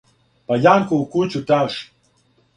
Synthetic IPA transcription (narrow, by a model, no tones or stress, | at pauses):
pajaŋkoukut͡ʃut̪aʃ